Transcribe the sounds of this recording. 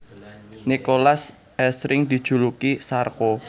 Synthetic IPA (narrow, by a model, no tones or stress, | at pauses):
nikolas | ɛsɾɪŋd̪̥i̤̥ʒ̥ṳlukisarko